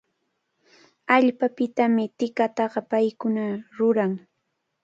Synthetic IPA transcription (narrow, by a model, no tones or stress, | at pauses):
aʎpapɪt̪amɪt̪ɪkat̪ɑɢɑpajkʊnaɾʊɾaŋ